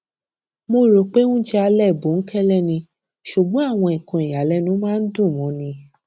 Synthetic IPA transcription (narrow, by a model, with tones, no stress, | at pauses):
mo˧ɾo˨k͡pe˦nũ˦d͡ʒɛ˦˧a˧lɛ˦˨bo˨˦ŋ̩˦kʰɛ˦lɛ˦˨nĩ˧ | ʃu˨ɡ͡bɔ̃˨˦a˦˨w̃ɔ̃˧ĩ˨kɔ̃˨˧i˨ja˨˦lɛ˦nũ˨˦mãː˦n̩˦dũ˦˨mɔ̃˧˦nĩ˧